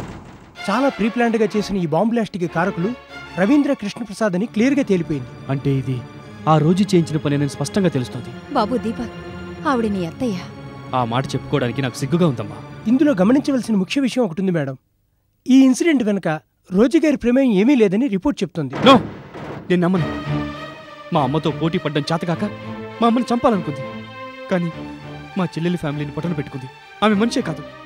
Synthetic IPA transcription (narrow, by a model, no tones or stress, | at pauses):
t͡ʃaːlaːpʰɾiːplaːɳʈɡaːt͡ʃe̞ːsinɐiːbaːmblaːsʈikɡɐkaːɾɐkuluɾɐʋind̪ɾaːkɾiʂɳɐpɾɐsaːd̪ɐniklijɐɾɡaːt̪eːlipoːjind̪iɐɳʈe̞ːid̪i | aːɾo̞ːd͡ʒut͡ʃeːjiɲt͡ʃinɐpːɐninenuspɐʂʈɐŋɡaːt̪e̞lust̪oːnd̪i | baːbud̪iːpɐt̪ | ɐʋuɽiniːɐt̪ːɐjaːaːma̰ːʈɐt͡ʃepːukɔːɽaːnikinaːku̥siɡːuɡaːund̪ɐmːa̰ːind̪ulo̞ːɡɐmɐniɲt͡ʃɐʋaːlsinɐmukʰjɐʋiʂɐjɐmɔkɐʈund̪imɛːɽɐm | iːinsiɖe̞ɳʈʋenɐkɐ | ɾo̞ːd͡ʒɐːɡaːɾipɾeːmejɐme̞ːmiːlɛːd̪ɐniɾipoɾʈ̚t͡ʃe̞b̚ut̪oːnd̪inoːneːnːiɐmːɐnɐ | maːɐmːɐt̪o̞ːpo̞ːʈ̬iːpɐɖːɐmt͡ʃaːt̪ɐɡaːkɐmaːɐmːɐnit͡ʃɐmpaːlɐnukund̪ikaːnimaːt͡ʃelːelipʰaːmiliːnipɔʈːɐnɐpeʈːukund̪i | aːmemɐnt͡ʃeːkaːd̪u